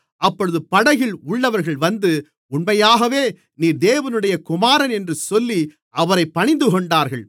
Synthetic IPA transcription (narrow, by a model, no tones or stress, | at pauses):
ɐpːɔɻɯðɯpɐɽɐɣɪlʊɭːɐʋɐɾɣɐɭʋɐnd̪ɯ | ʊɳmɐjaːɣɐʋeː | niːɾd̪eːʋɐnɯɽɐjɐkʊmaːɾɐnɛndrɯsɔlːi | ʔɐʋɐɾɐɪpːɐɳɪnd̪ɯkɔɳɖaːɾɣɐɭ